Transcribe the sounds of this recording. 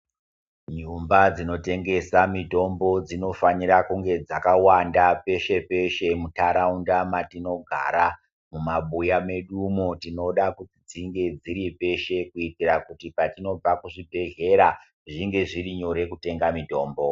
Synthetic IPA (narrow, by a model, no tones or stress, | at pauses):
ɲumbad͡zino̞te̞ŋɡe̞samito̞mbo̞d͡zino̞fanirakuŋɡe̞d͡zakawandape̞ʃe̞pe̞ʃe̞mutaɾaundamatino̞ɡʱa̰ɾa | mumaɓujame̞ɗumotino̞ɗakutid͡ziŋɡe̞d͡ziɾipe̞ʃe̞kuitirakutipatino̞b͡vakuʐibʱe̞ɦe̞ɾa | ʐiŋɡe̞ʐiriɲo̞ɾe̞kute̞ŋɡamito̞ːmbo̞